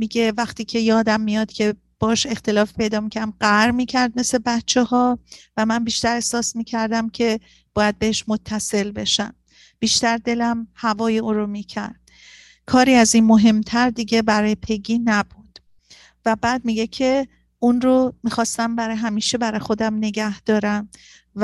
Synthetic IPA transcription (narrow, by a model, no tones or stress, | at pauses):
miːɟe̞væxt̪ʰiːcʰe̞jɒːd̪æmːijɒd̪̥cʰe̞ | b̥ɒːʃe̞xt̪e̞lɒːfpʰe̞jd̪ɒːmicʰæmɢæɾmiːcʰæɾd̪̚me̞sle̞bæt̪t͡ʃʰe̞hɒːvæmænbiːʃt̪æɾehsɒːsmiːcʰæɾd̪æmcʰe̞ | b̥ɒːjæd̪̚be̞heʃmot̪ʰːæse̞lbe̞̰ʃæ̰m | b̥iːʃt̪æɾd̪e̞læmhævɒːjeuːɾomiːcʰæ̰ɾd̪̥̚ | kʰɒːɾiːæziːnmo̞ɦe̞mt̪ʰæɾd̪iɟe̞bæɾɒːjepʰe̞ɡiːnæbud̪̥ | væbæːd̪̚miːɟe̞cʰe | unɾomiːxɒːst̪æmbæɾɒːjeɦæmiːʃe̞bæɾɒjexo̞d̪æmne̞ɡæhd̪̥ɒːɾæm | v